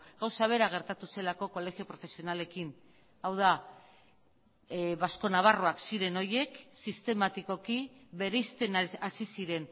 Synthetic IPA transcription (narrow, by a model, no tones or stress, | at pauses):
ɣawsaβ̞e̞ɾaɣ̞e̞ɾt̪at̪use̞lako̞ko̞le̞ɣiopɾo̞fe̞sio̞nale̞kin | awða | βasko̞naβaroaksiɾe̞no̞je̞ksist̪e̞mat̪iko̞kiβe̞ɾejst̪enasisiɾe̞n